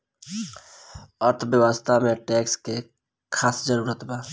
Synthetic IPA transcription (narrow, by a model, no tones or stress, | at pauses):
əɾt̪ʰbjəwast̪ʰamẽʈɛːkske | kʰaːsd͡ʒəɾuːɾət̪baː